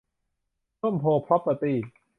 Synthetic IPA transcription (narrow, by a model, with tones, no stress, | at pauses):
u˥˩˨mpʰoː˧pʰɾɔ˦˥pːa˧t̪iː˧˩